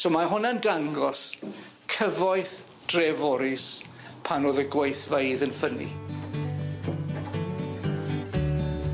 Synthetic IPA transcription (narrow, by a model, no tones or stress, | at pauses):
somaɦʊnandaŋɡɔs | kʰəvɔjθ | d̥rɛvɔɾɪs | pʰanoːðəɡwejθvejðənfənḭ